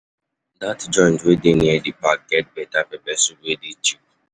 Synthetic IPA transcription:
datd͡ʒɔ̃ɪ̃ndwedeniedipak̚ɡ̥ɛt̚bɛtapɛbɛsuɡwedit͡ʃip̚

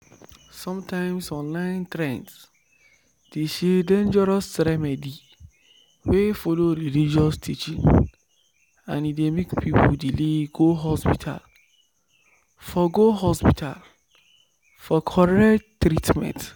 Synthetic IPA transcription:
sɔ̃mtʰãɪ̃msɔ̃nlãɪ̃ntɾɛ̃nts | d̥eʃedẽnd͡ʒɛɾɔsɾɛmɛdi | wefoloɾilid͡ʒɔstʰit͡ʃĩn | ãnidemekpʰipʰuldileɡoɦɔspitʰa̰l | fɔɡoɦɔspitʰa̰l | fɔkʰɔɹɛktːɾitmɛ̰̃nt

